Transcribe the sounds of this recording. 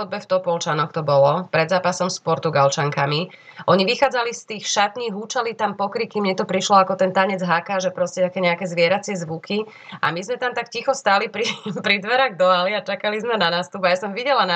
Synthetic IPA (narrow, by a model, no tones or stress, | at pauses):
ɔd̪bɛft̪ɔpɔlt͡ʃanɔxt̪ɔbɔlɔpɾɛd̪zaːpasɔmspɔɾt̪uɡalt͡ʃaŋkami | ʔɔɲiʋixaːd͡zalist̪iːxʃat̪niːɣɦut͡ʃalit̪ampɔkɾikːimɲɛt̪ɔpɾiʃlɔakɔt̪ɛnt̪aɲɛd͡zɦakaːʒɛpɾɔscɛt̪akɛɲɛakɛzʋɪɛɾat͡sɪɛzʋukʰi | ʔa̰mizmɛt̪amt̪akcixɔst̪aːlipɾipɾid̪ʋɛɾaɣd̪ɔaliat͡ʃakalizmɛnanaːst̪ubajasɔmʋiɟɛlana